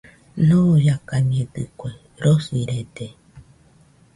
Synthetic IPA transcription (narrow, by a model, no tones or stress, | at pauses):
nõojakamiẽd̪ɨkʷe | ɾosiɾed̪e